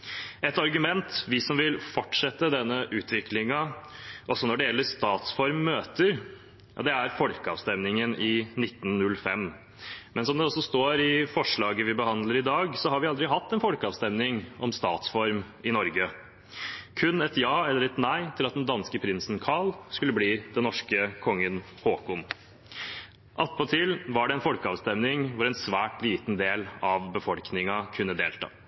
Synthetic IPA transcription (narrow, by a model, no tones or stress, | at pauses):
ɛt̪ɑɾɡʉmɛnt̪ʋɪsɔmʋɪlfɔʈʂɛt̪ːəd̪ɛnːəʔʉːt̪ʰʋɪkʰlɪŋɑʔɔsɔnɔɖɛjɛlːəɾʂt̪ɑːt̪sfɔɾmːøːt̪əɾ | ɑd̪ɛæɾfɔlkəɑ̰ːʋst̪ɛmnɪŋənʔɪnɪt̪ːn̩nʉlfɛm | mɛnsɔmd̪ɛɔsɔst̪oːɾɪfɔʂɭɑːɡəʋɪbəhɑnd̪ləɾɪd̪ɑːɡsɔhɑɾʋɪɑld̪ɾɪɦɑt̪ːɛnfɔlkəɑːʋst̪ɛmnɪŋɔmst̪ɑːt̪sfɔɾm | ɪnɔɾɡə | kʰʉnːɛt̪jɑːɛlːəɾɛt̪næɪt̪ʰɪlɑt̪̚d̪ɛnd̪ɑnskəpʰɾɪnsnkʰɑlskʉlːəbliːd̪ɛnɔʂkəkʰɔŋːən | hoːkʊm | ʔɑt̪ːpɔt̪ʰɪlʋɑɖɛɛnfɔlkəɑʋst̪ɛmnɪŋʋʊɾɛnsʋæːʈliːt̪nd̪eːlɑʋbəfɔlknɪŋɑkʰʉnːəd̪eːlt̪ʰɑ̰ː